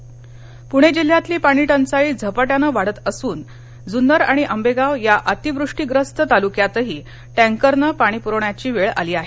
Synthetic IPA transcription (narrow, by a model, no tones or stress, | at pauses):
puɽ̃ed͡ʑil̤ːjat̪liːpaɽ̃iːʈənt͡saiːd͡zʱəpəʈjanəʋaɽ̤ət̪əsuːn | d͡zunəɾaɽ̃iʔəmbeɡaʋjaʔət̪iʋɾuʂʈiːɡɾəst̪ət̪alukjat̪əɦiː | ʈæ̃ŋkəɾnəpaɽ̃ipuɾəɳjat͡ɕiːʋeɭa̰liːaɦe